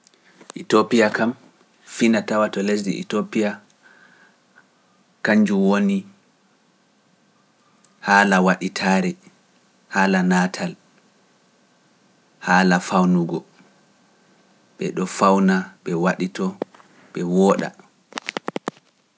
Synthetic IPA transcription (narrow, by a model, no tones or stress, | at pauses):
ʔitopijakʰam | finatawatɔles̬dḭḭtopia | kaɲd͡ʒuwoni | haːlawaɗitʰaːɾɛ | haːlanaːtʰal | haːlafawnuɡɔ | ɓɛɗɔfawnaɓɛwaɗitɔ | ɓɛwɔːɗa̰